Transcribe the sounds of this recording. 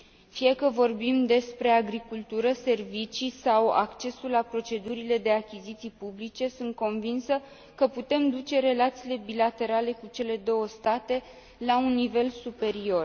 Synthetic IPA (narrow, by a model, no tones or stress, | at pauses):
fijekəvo̞rbimd̪e̞spɾe̞aɡɾikult̪uɾəse̞rvit͡ʃisawa̰kt͡ʃe̞sulːapɾo̞t͡ʃe̞d̪uɾile̞d̪e̞akʲizit̪sijpublit͡ʃe̞sunt̪̚ko̞nvinsə | kəput̪e̞md̪ut͡ʃe̞ɾe̞lat̪siːle̞bilat̪e̞ɾale̞kut͡ʃe̞le̞d̪o̞wəst̪at̪e̞ | launːive̞lsupe̞ɾio̞r